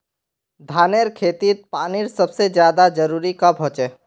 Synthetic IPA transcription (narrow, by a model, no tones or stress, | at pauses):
d̪ʱaːneɾkʰeːt̪it̪̚paːniɾsəbsed͡ʒjaːd̪ad͡ʒəɾuɾikabʱɦot͡ʃɛ